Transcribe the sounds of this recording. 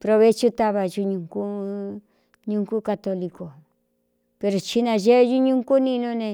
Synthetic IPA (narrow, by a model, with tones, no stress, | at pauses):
pɾo˧βe˦t͡ʃu˦t̪a˧βa˧ʒu˧ɲũ˧ŋku˦ | ɲũ˧˦ŋku˦ka˧t̪o˧li˧ko˨ | pe˧ɾo˨t͡ʃi˧nã˧ʒe˦ʒu˦ɲũ˦ŋku˦nĩ˧nũ˦nẽ˧